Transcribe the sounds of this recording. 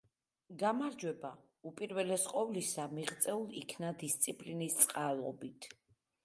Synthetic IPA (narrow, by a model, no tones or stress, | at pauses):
ɡamaɾd͡ʒwɛba | upʼiɾvɛlɛsqʼɔvlisamiʁt̪sʼɛulˠikʰnad̪ist̪sʼipʼlinist̪sʼqʼalˠɔbit̪ʰ